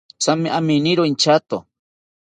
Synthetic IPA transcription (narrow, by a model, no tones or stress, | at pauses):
t͡samiʔaminiɾoint͡ʃat̪o